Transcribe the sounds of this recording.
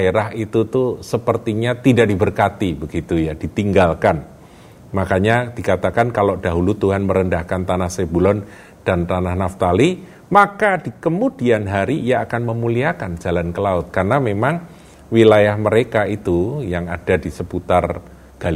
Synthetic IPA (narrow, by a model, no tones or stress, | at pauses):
aeɾaɦit̪ut̪usəpərt̪iɲat̪idaʔdibərkat̪ibəɡit̪ujadit̪iŋɡalkan | makaɲad̥ikat̪akankalodaɦulut̪uɦanməɾəndahkant̪anahsebulɔn | d̥ant̪anahnaft̪ali | makad̥ikəmudianɦaɾiːjaːkanməmuliakand͡ʒalankəlaʊt̪̚karnamemaŋ | wilajahməɾekait̪ujaŋad̥adisəput̪ar | ɡ̥al